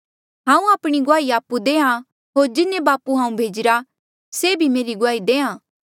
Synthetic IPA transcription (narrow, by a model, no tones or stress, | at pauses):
ɦãːũaːpɽ̃iɡʊaːiaːpud̪eːã | ɦoːɾd͡ʒɪnẽbaːpuɦãːũbʱeːd͡ʒɪɾa | seːbʱimeːɾiɡʊaːid̪eːãː